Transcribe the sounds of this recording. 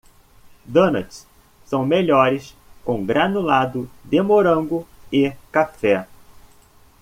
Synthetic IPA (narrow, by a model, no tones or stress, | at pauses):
d̪õnat͡ʃs | sɐ̃w̃meʎɔɾɪs | kõw̃ɡɾanʊlad̪ʊd̪emoɾɐ̃ŋɡʊɪkafɛ